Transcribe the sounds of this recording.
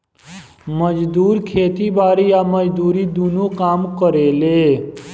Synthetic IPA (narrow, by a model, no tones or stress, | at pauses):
məd͡ʒd̪uːɾkʰeːt̪ibaːɾijaməd͡ʒd̪uːɾid̪unokaːmkəɾele